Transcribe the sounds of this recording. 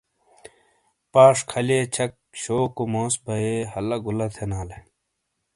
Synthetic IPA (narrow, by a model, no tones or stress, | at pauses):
paːʂkʰɐlet͡ɕʰɐk̚ | ɕoːkomoːsbɐehɐlɐɡulɐt̪ʰenaːle